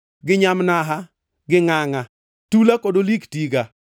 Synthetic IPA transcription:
ɡɪɲamnaɦa | ɡɪŋaŋa | tulakodoliktiɡa

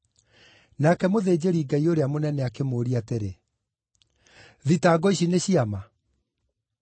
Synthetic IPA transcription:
nakɛmoðeːd͡ʑeɾiːɡaioɾeamonɛnɛakemoːɾiateɾe | ðitaːɡɔiɕineɕiama

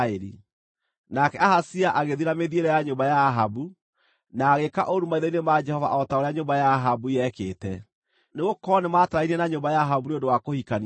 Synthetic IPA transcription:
eɾḭ | nakɛahasiaʔaɣeðiɾameðieɾɛjaɲombajaɦabu | naːɣekaʔoɾumaiðainemad͡ʒɛhɔva̰ʔɔtaoɾeaɲombajaːɦabujɛkeːtɛ | neɣokɔnemataɾainiɛnaɲombajaɦabunondowakohikan

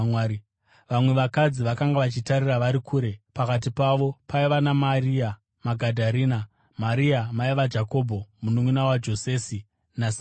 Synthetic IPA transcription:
w | ʋamwe̞ʋakad͡ziʋakaŋɡaʋat͡ʃitaɾiraʋaɾikʰuːɾe̞pakat̬ipaʋo̞paiʋanamaria | maɡʱadʱaɾiːna | maɾiamaiʋad͡ʒako̞ːbʱomunuŋwunawad͡ʒo̞se̞ːsi | nasa

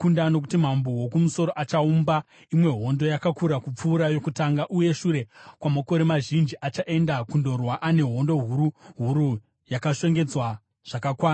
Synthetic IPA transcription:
kundano̞k̬utim̤ambowokumuso̞ɾo̞ʔat͡ʃaumba | imwe̞ɦo̞ndo̞jakakuɾakup͡fuːɾajo̞kutaŋɡaʔuje̞ʃuɾe̞kwamoko̞ɾemaʒind͡ʒiʔat͡ʃaʔe̞ndakundo̞rwaʔane̞ɦo̞ndo̞ɦuɾuɦuɾu | jakaʃwe̞ŋɡe̞d͡zwa | ʐ̥akakwaːna

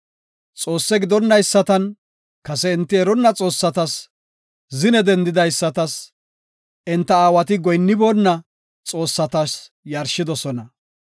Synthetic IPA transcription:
t͡sʼo̞ːsːɛɡɪd̪ɔnːɐjsːɐt̪ɐn | kɐsɛɪnt̪ːɪɛɾɔnːɐt͡sʼo̞ːsːɐt̪ɐs | zɪnɛd̪ɛnd̪ɪd̪ɐjsːɐt̪ɐs | ʔɪnt̪ːɐaːwɐt̪ɪɡɔjnːɪboːnːɐ | t͡sʼo̞ːsːɐt̪ɐs | jɐɾʃɪd̪ɔsɔnɐ

